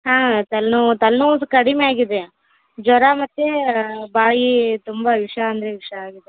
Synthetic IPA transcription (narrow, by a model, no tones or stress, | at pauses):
ɦãːt̪ɐlnut̪ɐlnuskɐɽimeaːɡid̪e | d͡ʒɔɾamɐt̪ːebaːjit̪umbɐʋiʂɐːnd̪ɐɾeʋiʂɐaːɡid̪e